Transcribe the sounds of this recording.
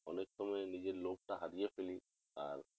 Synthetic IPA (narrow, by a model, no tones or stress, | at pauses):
ɔnek̚sɔmɔjnid͡ʑeɾlop̚ʈaɦaɾijepʰeli | a̰ɾ